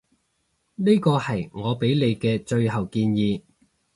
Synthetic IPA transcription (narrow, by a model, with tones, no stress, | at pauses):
ni˥kɔː˧hɐ˨˩jŋɔː˨˧pe˨˥jle˨˧jkɛː˧t͡ʃɵ˧ɥɦɐ˨wkiː˧njiː˨˧